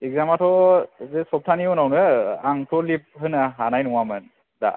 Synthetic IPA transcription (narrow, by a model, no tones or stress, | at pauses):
ek̚zamatʰɔzesɔp̚tʰaniɔnawnɯaŋtʰɔlip̚ɦɯnaɦanajnɔŋamɯn | da̰